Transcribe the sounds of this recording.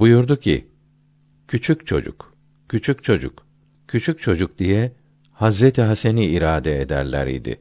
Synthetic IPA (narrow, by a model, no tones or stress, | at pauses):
bujuɾd̪ucʰḭ | cʰyt͡ʃʰyc̚t͡ʃʰo̞d͡ʒṵk | cʰyt͡ʃʰyc̚t͡ʃʰo̞d͡ʒṵk | cʰyt͡ʃʰyc̚t͡ʃʰo̞d͡ʒuk̚d̪ijɛ | hazɾɛt̪ʰiɦaseniiɾaːd̪ɛed̪æ̰ɾlʲæ̰ɾḭd̪ɪ̰